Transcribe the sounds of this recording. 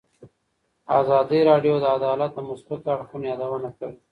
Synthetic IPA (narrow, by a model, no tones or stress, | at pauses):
ɑzɑd̪iɾɑɖjod̪əad̪ɑlat̪̚d̪əmʊsbat̪aɽxunjɑd̪awənakawi